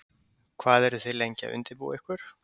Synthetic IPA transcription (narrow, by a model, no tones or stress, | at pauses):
kʰvaːðɛɾʏθeðlejɲca̰ʏ̰nt̪ɪɾpṵwɛhkʏɾ̥